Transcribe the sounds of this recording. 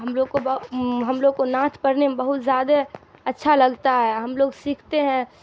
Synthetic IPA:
ɦəmloːɡkobɦəmloːɡ̚konãːt̪ʰpəɾnemebəɦʊt̪zjaːd̪eətːʃʰaləɡt̪aɦɛɦəmloːɡsikʰt̪eɦɛ̃

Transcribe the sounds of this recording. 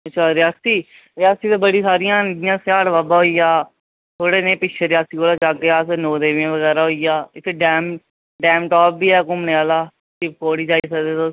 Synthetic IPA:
ətːʃʰaːɾɪjaːst̪iː | ɾɪjaːst̪iːt̪eːbəɽiːsaːɾɪjãːnid̪ɪjãːsaːɽʋaːbaːɦoːiːjaː | t̪ʰoːɽeːnẽːpɪʃʰeɾɪjaːst̪iːkoːlaːd͡ʒaːkeːaːsnoːd̪eːʋẽːʋəɣɛːɾaːɦoiːjaːɪt̪ʰːeːɖɛːm | ɖɛːmʈaːp̚biːɛːkʊmneaːlaː | sɪbkoːɽiːd͡ʒaːiːsəd̪eːt̪oː

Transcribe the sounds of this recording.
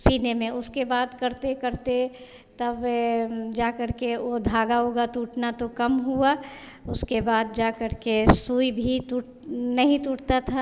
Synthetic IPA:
siːnemẽʊskebaːd̪kɐɾt̪ekəɾt̪e | t̪ɐb | d͡ʒaːkəɾkeod̪ʱaːɡaɦoːɡat̪uːʈnat̪okɐmɦua | ʊskebaːd̪̚d͡ʒaːkəɾkesuːibʱit̪uːʈ | nɐɦĩt̪uːʈt̪at̪ʰa

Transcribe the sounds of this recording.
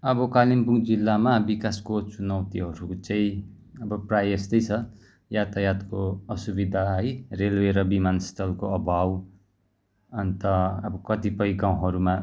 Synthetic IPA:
ʌbʌkalimpuŋd͡zilːamabikaskot͡sunʌwt̪iɦʌɾut͡saĩ | ʌbʌprajest̪ʌjt͡sʰʌ | jat̪ʌjat̪koʌsubid̪ʱaʌjrelweɾʌbimanst̪ʰʌlkoʌbʱaw | ʌnt̪ʌʌbʌkʌt̪ipʌjɡaw̃ɦʌɾuma

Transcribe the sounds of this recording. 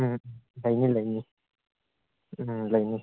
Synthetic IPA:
ləjniləjni | ləjni

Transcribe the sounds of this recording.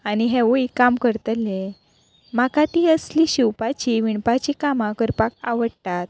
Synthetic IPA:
aniɦeʋuikamkəɾt̪əle | makat̪iəsliɕiwpat͡ɕiʋiɳpat͡ɕikamakəɾpaka̰ʋəɽt̪at̪̚

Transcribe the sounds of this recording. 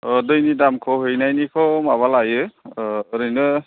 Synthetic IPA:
ɔdɯjnidamkʰɔɦɯjnajnikʰɔmaβalajɯ | ɾɯjnɯ

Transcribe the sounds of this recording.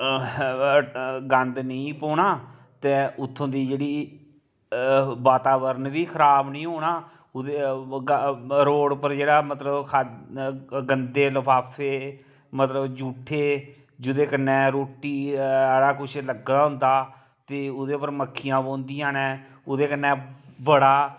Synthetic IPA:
ɡənd̪nəĩːpoːɳaː | t̪eːʔʊt̪ʰːõːd̪iːd͡ʒeːɽiː | baːt̪aːbəɾənʋiːkʰəɾaːbnĩːɦoːɳaː | ʊd̪eːɡɾoːɽpəɾd͡ʒeːɽaːmət̪ləbkʰa | ɡənd̪eːləbʰaːpʰeː | mət̪ləbd͡ʒuːʈʰːeː | d͡ʒʊd̪eːkənːɛ̃ːɾoːʈːiːaːɽaːkʊt͡ʃʰləɡaːɦʊ̃nd̪aː | t̪eːʊd̪eːpəɾməkʰːɪjãːbõːnd̪iːãːnɛ̃ː | ʊd̪eːkənːɛ̃ːbəɽaː

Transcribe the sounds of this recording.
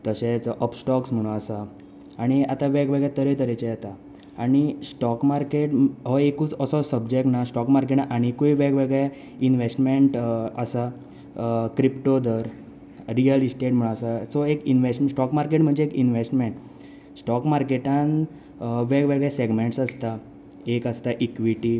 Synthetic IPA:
t̪əɕet͡sʔəpsʈɔksm̤əɽ̃ũasa | aɽ̃iat̪aʋeɡʋeɡɭjat̪əɾet̪əɾet͡ɕejɛt̪aː | ɽ̃isʈɔkmaɾkeʈɦɔekuːt͡səsɔsəbd͡ʑek̚ʈnasʈɔkmaɾkeʈnaʔaɽ̃ikoiʋeɡʋeɡɭe | inʋesʈmeɳʈəsa | kɾipʈod̪əɾ | ɾiəlisʈeʈm̤əɭ̃asasɔekinʋesʈmsʈɔkmaɾkeʈm̤əɳd͡zeːkinʋesʈmeɳʈ | sʈɔkmaɾkeʈan | ʋeɡʋeɡɭjaseɡmeɳʈsəst̪a | ekəst̪aʔikʋiʈi

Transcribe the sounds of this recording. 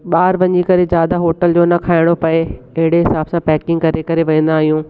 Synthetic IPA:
ɓaːɾʋɐɲikɐɾezjaːd̪aɦoːʈəld͡ʑoːnɐkʰaːɪɽ̃opɐeɐɦɪɽeɦɪsaːbsãpɛːkɪ̃ŋɡ̚kɐɾekɐɾeʋɐ̃ːn̆d̪aːɦijũː

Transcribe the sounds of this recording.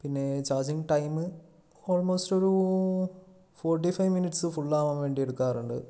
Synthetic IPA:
pinːe̞t͡ɕaːd͡ʑiŋɡʈɐjmɨ | oːlmoːstoɾu | foːrʈ̬ifɐjʋminiʈsɨfuɭːaːmɐmʋe̞ːɳɖieɽukːaːruɳɖɨ̰

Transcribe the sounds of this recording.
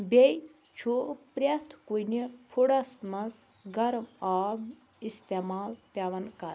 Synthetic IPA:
bej | t͡ʃʰupɾɐt̪ʰkujnipʰuɽɐsmɐz | ɡɐɾmaːm | ist̪emaːlpʲjaʋɐnkɐɾ

